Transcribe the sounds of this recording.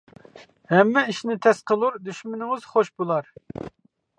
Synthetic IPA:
hɛmːɛiʃnɪt̪ʰɛsqʰəlˠuɾd̪yʃmɪnɪŋɨz̥χoʃbolˠɑɾ

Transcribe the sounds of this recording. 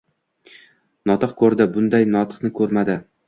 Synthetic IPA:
nɒt̪ʰɨqkʰɵɾd̪ɪbʊnd̪ajnɒt̪ʰɨ̥qnɪkʰɵɾmad̪ɪ

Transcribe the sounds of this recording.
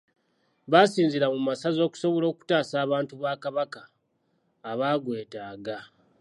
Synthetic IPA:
βasiːnziɾamumasazo̞ːku̥so̞βo̞lo̞ːku̥taːsaːβaːntuβaːkaβakaː | βaːɡwe̞ːtaːɡa

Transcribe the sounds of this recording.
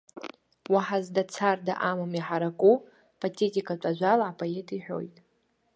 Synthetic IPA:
waħazdat͡sʰarda̰ʔamamiħaɾakʼu | pʰʼatʰʼe̞tʼikʼat͡ʃʷʼaʒʷalaːpʰʼojetʰʼiħᶣʷo̞̰jtʼ

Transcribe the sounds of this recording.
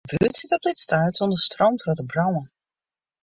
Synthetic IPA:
byətsɪtɔp̚dɪtstaːtɔndəstrɔntvətəbrɔwən

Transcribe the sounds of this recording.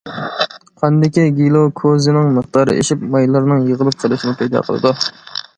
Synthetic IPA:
qʰænd̪ɪkʲiɡʲilˠokʰozɨnɪŋməχt̪ɑːɾɨ̰ḛʃipmɑjlˠɨɾnɨŋjəʁəlˠɨp̚qʰəlˠɨʃinɪpʰɛjd̪ɑ̰qʰəlˠɨ̰d̪u

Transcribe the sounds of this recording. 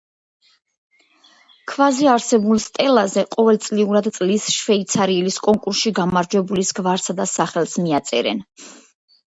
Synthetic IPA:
kʰvaziaɾsɛbulˠst̪ʼɛlˠazɛqʼɔvɛlt̪sʼliuɾad̪t̪sʼlisʃvɛit̪sʰaɾiɛliskʼɔŋkʼuɾsʃiɡamaɾd͡ʒwɛbulisɡvaɾsad̪asaχɛlˠsmiat̪sʼɛ̰ɾɛ̰n

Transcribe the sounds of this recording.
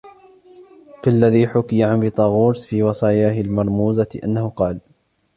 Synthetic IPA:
kalːaðiːħʊkɪjaʕanbɪt̪ˤɑɣuːɾsfiːwɑsˤɑːjaːɦɪlmɑɾˤmuːzaʔa̰nːahʊqɑːl

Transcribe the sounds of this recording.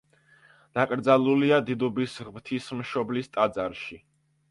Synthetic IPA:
d̪̥akʼɾd̪zalˠuliad̪id̪ubisʁmt̪ʰismʃɔblist̪ʼad̪zaɾʃi

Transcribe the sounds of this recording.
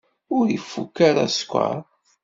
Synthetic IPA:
ʊɾjəfːukːaɾa̰skʷːa̰ɾ

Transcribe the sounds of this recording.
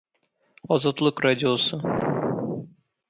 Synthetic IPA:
ɒzɑt̪lˠɤqrad̪ʲɪosɤ

